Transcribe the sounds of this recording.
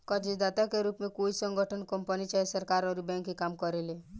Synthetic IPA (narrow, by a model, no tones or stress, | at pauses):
kɔd͡ʒed̪at̪akeɾupmekuisɔŋɡɔʈʰɔnkɔmpanit͡ʃaesəɾkaɾɔɾibɛ̃ŋkekamkɔɾele